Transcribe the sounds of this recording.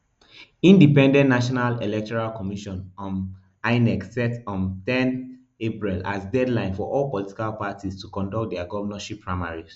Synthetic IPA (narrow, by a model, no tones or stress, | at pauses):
ĩndipɛ̃ndɛ̃nnaʃɔnalelɛk̚tɔɹalkɔmiʃɔ̃nɔ̃n | aɪnɛksɛtɔ̃ntɛ̃n | epɹila̰sdɛdlãɪ̃nfɔʔɔlpɔliti̥kalpatistukɔ̃ndɔk̚t̚dɛaɡɔvənaʃipʰːɹaɪmaɹiz